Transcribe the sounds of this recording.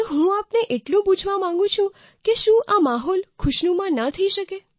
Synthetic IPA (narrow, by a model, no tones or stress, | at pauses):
ɦũapneʔeʈlũpud͡ʒʱʋamãŋ̆ɡũt͡ʃʰũ | keʃũʔamaɦɔlkʰʊʃnũmãnat̪ʰəiʃəke